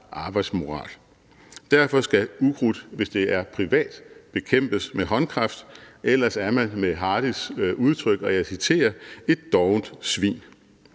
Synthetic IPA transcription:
ʔɑ̈ːb̥ɑ̈ɪd̥smo̝ʁɑ̰̈ːl | d̥æɐ̰fɒ̽sɡ̥æuɡ̥ʁud̥ʋe̝sd̥e̝æɐpʰʁiʋɛ̰ːd̥b̥e̝kʰem̰b̥əsmeɦɒ̽nkʰʁɑ̈fd̥ʔelɐsæɐmænmeɦɑ̈ːd̥isuð̞ˠt͡sʰʁœɡ̥ɒ̽jæsit͡sʰe̝̰ːɐe̝d̥ːɒʊnd̥sʋḭːn

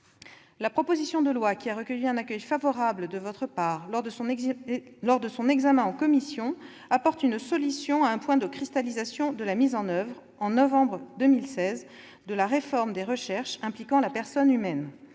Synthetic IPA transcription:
lapχɔpozisjɔ̃d̪əlwakʲiaʁəkəjyɛ̃nakʲœjfavɔʁabləd̪əvɔt̪χəpaʁ | lɔʁd̪əsɔ̃nɛɡzamɛ̃ɑ̃kɔmisjɔ̃ | apɔʁt̪ynsɔlysjɔ̃aɛ̃pwɛ̃d̪əkχist̪alizasjɔ̃d̪əlamizɑ̃nœvʁ | ɑ̃nɔvɑ̃bʁəd̪əmilsɛz | d̪əlaʁefɔʁmd̪eʁəʃɛʁʃɛ̃plikɑ̃lapɛʁsɔnymɛn

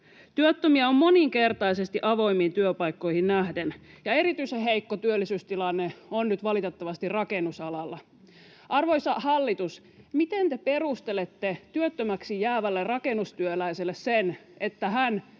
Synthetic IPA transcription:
t̪yøt̪ːømiæommo̞niŋke̞rt̪ɑisest̪iʔɑʋo̞imːiːnt̪yøpɑjkːo̞jhinnæhdenjɑe̞ɾit̪yiseɦeikːot̪yølːisyst̪ilɑnːeonnyt̪ʋɑlit̪et̪ːɑʋɑst̪irrɑkenːusɑlɑlːɑ | ʔɑrʋo̞jsɑhɑlːit̪us | mit̪ent̪e̞pe̞rust̪elet̪ːet̪yøt̪ːømæksijæːʋælːerrɑke̞nust̪yølæiselːessenet̪ːæɦæn

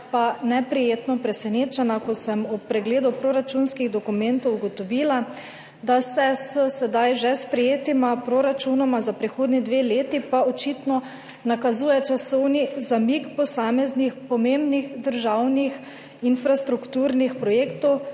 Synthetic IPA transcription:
panɛpɾɛjeːt̪nɔpɾɛsɛneːt͡ʃɛnakɔt̪sɛmupɾɛɡleːd̪upɾoːɾat͡ʃunskiɣd̪ɔkumɛnt̪ɔwuɡɔt̪ɔʋiːla | d̪asɛsəsɛd̪ajʒɛspɾɛjeːt̪imapɾoɾat͡ʃunɔmazapɾixoːd̪nid̪ʋeleːt̪ipaɔt͡ʃit̪nɔ | nakazuːjɛt͡ʃasɔwnizamikpɔsaːmɛznixpɔmembnixd̪əɾʒawnix | infɾast̪ɾukt̪uːɾnixpɾɔjeːkt̪ɔw

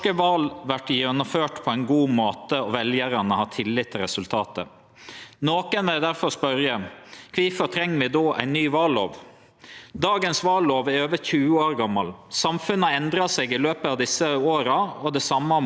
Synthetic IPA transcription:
əʋɑːlʋæʈːjɛnɔmføːʈpʰɔæɪnɡuːmoːt̪əɔʋɛljəɾɑnəhɑt̪ʰɪlːɪt̪ʰːɪlɾɛsʉlt̪ʰɑːt̪ə̰ | noːkənʋɛld̪æɾfɔɾspœɾjəkʰʋiːfɔɾʈʰɾɛŋːʋɪd̪ɔʔæ̰ɪnːyːʋɑlo̰ːʋ | d̪ɑːɡənsʋɑːlːoːʋæɾøːʋəçʉːəoːɾɡɑmːɑlsɑmfʉnːəɛnd̪ɾɑsɛɡɪløːpəɑʋd̪ɪsəoːɾɑɔd̪ɛsɑmːɑ

